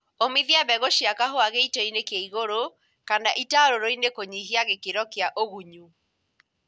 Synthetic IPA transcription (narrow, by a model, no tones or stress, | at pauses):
omiðiaβɛɣoʃiakaɦoaɣeitɔinekjaiɣoɾo | kandaʔitaɾoɾoinekoɲiɦiaɣekeɾɔkeaʔoɣuɲu